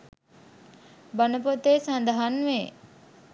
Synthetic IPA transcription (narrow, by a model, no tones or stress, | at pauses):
bɐnəp̬ot̪eːsand̪ɐɦanʋe